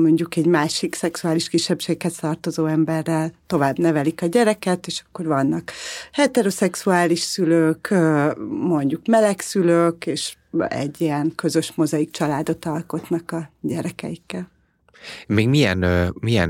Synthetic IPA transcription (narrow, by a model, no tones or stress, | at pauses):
mo̞ɲɟukɛɟmaːʃiksɛksuaːliʃkiʃːɛpʃeːkhɛst̪ɒrt̪o̞zoːɛmbɛrːɛlt̪o̞vaːbnɛvɛlikɒɟɛɾɛkɛt̪eːʃɒ̥kːo̞rvɒnːɒkhɛt̪ɛɾo̞sɛksuaːliʃsyløːkømo̞ɲɟukmɛlɛksyløːkeːʃɛ̰ɟːiɛnkø̞zø̞ʃmo̞zɒikt͡ʃɒlaːd̪o̞t̪ɒlko̞t̪nɒkɒɟɛɾɛkɛ̰jikːɛl | meːɡmijɛ̰nmijɛ̰n